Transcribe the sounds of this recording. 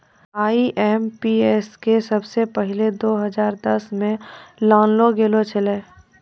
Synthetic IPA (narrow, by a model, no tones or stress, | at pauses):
aːiʔɛːmpiɛskesɐbsepəɦɪled̪oːɦɐzaːɾd̪ɐsmẽlãːnloɡeːlot͡ʃʰɐleː